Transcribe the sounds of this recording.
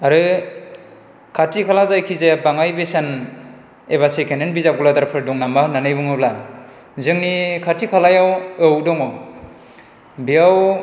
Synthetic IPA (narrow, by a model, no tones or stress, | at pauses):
aɾɯ | kʰatʰikʰalazajkʰizebaŋajbesan | eβasekʰenenbizap̚ɡuladaɾpʰɯɾdɔŋnamahnanɯjbɯŋɯbla | zɯŋnikʰatʰikʰalajawɯwdɔŋɔ | bijaw